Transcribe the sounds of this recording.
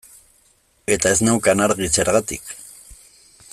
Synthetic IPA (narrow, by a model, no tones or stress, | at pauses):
et̪aeznawkanaɾɣit͡seɾʁɑt̪ik